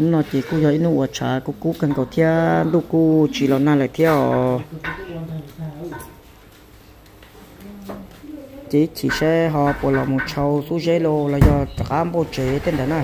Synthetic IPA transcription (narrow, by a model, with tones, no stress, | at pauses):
n˦nɔ̃˧t̪e˨ku˦jɔ˧i˦nũ˦ʔwa˧t͡ʃʰa̰˨˦˧ku˧ku˦ka˧ŋko˨t̪ʰja˦nd̪u˦ku˦t͡ʃi˧˨lo˧nã˧la˨t̪ʰjɔ˦ | t̪e˧i˦t̪ʰi˨ʃe˦ɦɔ˧pʷo˧˨lɔ˧˨mũ˧t͡ʃʰa˧wsu˦ʒe˦lo˧lɔ˧jɔ˧t̪a˨ʔa˦mbo˧t͡ʃe˨˧t̪e˦˧nd̪a˨nã˦˨